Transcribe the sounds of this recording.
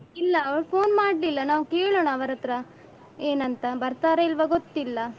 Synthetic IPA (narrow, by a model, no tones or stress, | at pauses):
ilːɐɐʋɐɭpʰo̞ːnmaːɖlilːɐnaːʋukeːɭoːɳɐːʋɐɾɐt̪ɾɐ | e̞ːnɐnt̪ɐbɐɾt̪aːɾeilʋɐɡot̪ːilːɐ